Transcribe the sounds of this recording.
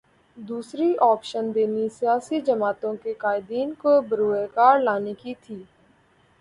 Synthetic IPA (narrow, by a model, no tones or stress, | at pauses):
d̪uːsɾiʔɔːpʃənd̪eːnisɪjaːsiːd͡ʒəmaːt̪õkekaːɪd̪iːnkobəɾuːeːkaːɾlaːnekit̪ʰiː